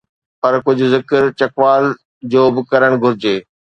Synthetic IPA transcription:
pɐɾkʊd͡ʑʱʊ̆zɪkəɾt͡ɕɐkʋaːl | d͡ʑoːbɪkɐɾəɽ̃ɡʱʊɾɪd͡ʑeː

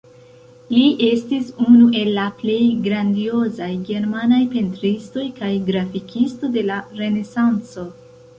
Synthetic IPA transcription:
liʔe̞stisunuʔe̞lːaple̞jɡɾandio̞zajɡe̞ɾmanajpe̞ntɾisto̞jkajɡɾafikʰisto̞de̞laɾe̞ne̞sant͡so̞

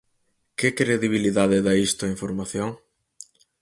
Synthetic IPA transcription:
kɪkɾeðiβ̞iliðaðɪðaist̪ʊɐiɱfoɾmaθjoŋ

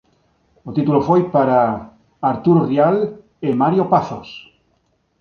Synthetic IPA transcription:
ot̪it̪ulofojpaɾaː | ɾt̪uɾorial | emaɾjopaθos

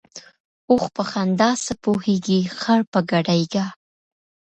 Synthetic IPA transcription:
oxpəxand̪ɑsəpoheɡixaɽpəɡaɖajɡa

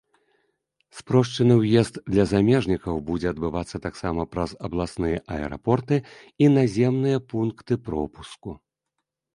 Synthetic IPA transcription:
spɾɔʂt͡ʂɨnɨwjɛzd̪d̪lʲɐzamʲɛʐnʲikɐwbud͡zʲɛɐd̪bɨvat̪sːɐt̪aksamɐpɾɐzɐblˠasnɨjɐʔɐɛ̰ɾa̰pɔrt̪ɨ | inazʲɛmnɨjɐpunkt̪ɨpɾɔ̰pusku

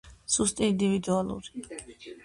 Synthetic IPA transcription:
sust̪ʼiind̪ivid̪ualˠṵɾi

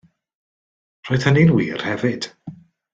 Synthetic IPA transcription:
r̥ɔɨðhənɪnwḭːr̥hɛvɨd̥

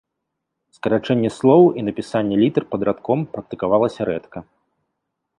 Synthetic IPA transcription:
skɐɾat͡ʂɛnʲːɛslˠɔwinɐpʲisanʲːɛlʲit̪ɛrpɐd̪ɾat̪kɔmpɾɐk̚t̪ɨkavalˠɐsʲɐɾɛt̪kɐ

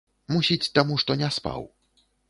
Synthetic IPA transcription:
musʲit͡sʲt̪amuʂt̪ɔnʲɛspa̰w

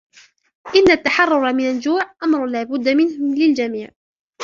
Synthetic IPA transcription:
ʔɪnːat̪ːaħɑrˤːʊɾˤmɪnand͡ʒuːʕʔamɾˤʊlaːbʊd̪ːamɪnhʊlɪld͡ʒamiːʕ

